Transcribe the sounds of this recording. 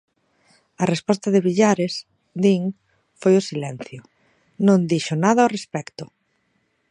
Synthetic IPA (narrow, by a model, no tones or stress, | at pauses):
ɐrespɔst̪ɐðɪβiʎaɾes | d̪iŋ | fojʊsilɛn̟θjʊ | nõŋd̪iʃʊnaðɐorespɛkt̪ʊ